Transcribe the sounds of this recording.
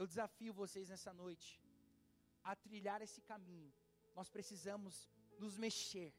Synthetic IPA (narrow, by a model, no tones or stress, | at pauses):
ewd͡ʒɪzafiʊvoseznɛsɐnojt͡ʃɪ̥ | at̪ɾiʎaɾesɪ̥kamĩɲʊ | nɔspɾesizɐ̃mʊznʊzmeʃeɾ